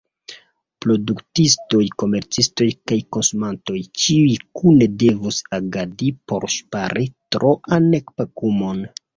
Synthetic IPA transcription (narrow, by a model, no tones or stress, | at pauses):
pɾo̞duktisto̞jko̞me̞ɾt͡sisto̞jkajko̞nsumanto̞jt͡ʃiujkune̞de̞vusaɡadipo̞̰ɾʃpaɾitɾoʔanekpakumo̞n